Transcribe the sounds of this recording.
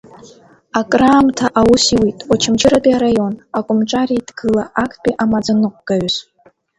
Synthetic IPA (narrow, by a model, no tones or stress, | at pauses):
akʼraːmtʰaʔawʊsiwitʼwat͡ʃʰɪmt͡ʃʰʼɪɾapʼiaɾajo̞nakʷʼʊmʈ͡ʂʼaɾidɡɨlaʔakʰtʰpʼiʔamad͡zanɨqʷʼɡ̥aɥz